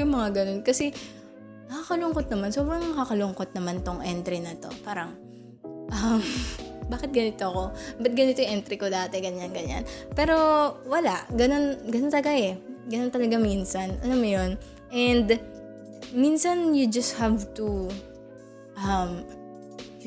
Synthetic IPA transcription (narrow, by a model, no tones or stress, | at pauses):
ʊŋmɐŋaɡɐno̞nkɐsɛ | mɐkakɐlʊŋkot̪̚nɐmanso̞ːbɾɐŋmɐkakɐlʊŋkot̪̚nɐmant̪oŋʔɛnt̪ɾɪnɐt̪o̞̰paːɾɐŋ | ʔɐmbaːkɛt̪̚ɡɐnɪt̪oɐko̞bɐt̪̚ɡɐnɪt̪ojŋʔɛnt̪ɾɪkod̪aːt̪ɛɡɐɲanɡɐɲa̰npɛːɾo̞wɐlaʔɡɐno̞nɡɐnont̪ɐlɐɡaʔɛɡɐnont̪ɐlɐɡaminsɐnʔɐlamjo̞n | ʔɛnd̪ | minsɐnjʊd͡ʒɐst̪̚havt̪u | ʔɐm